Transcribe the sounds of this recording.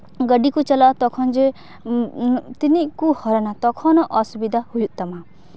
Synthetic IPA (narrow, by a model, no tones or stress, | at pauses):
ɡəɖikut͡ʃɐlat̪ɔkʰɔnd͡ʒe | t̪inikuhɔɾɔnat̪ɔkʰɔnɔʔɔsubid̪ʱahujuʔt̪ama